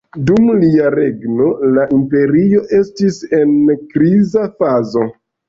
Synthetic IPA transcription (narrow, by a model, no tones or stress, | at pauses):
dumliaɾe̞ɡno̞laʔimpe̞ɾio̞ʔe̞stise̞nkɾizafazo̞